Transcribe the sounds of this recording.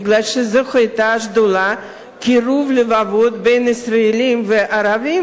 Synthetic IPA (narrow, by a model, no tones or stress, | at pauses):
ɡlalʃezexajt̪aʃd̪ola | kiɾuvlɪvavot̪̚bejnisɾaelimveʔaɾavi